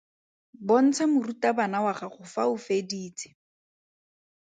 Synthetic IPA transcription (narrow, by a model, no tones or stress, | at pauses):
bon̩t͡sʰɛmʊrutabanawaχaχʊfaʊfediːt͡sɪ̥